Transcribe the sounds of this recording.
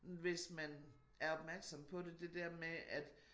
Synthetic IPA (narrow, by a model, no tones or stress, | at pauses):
ʋe̝smæn | æɐɒ̽b̥mæɐɡ̥sɒ̽mpʰɒ̽d̥e̝d̥e̝d̥æɐ̰meʔæd̥